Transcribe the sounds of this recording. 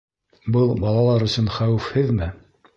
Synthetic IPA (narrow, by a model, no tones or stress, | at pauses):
bɤlˠbɑlˠɑlˠɑɾɵ̆sɵnχæwɘfhɘðmɘ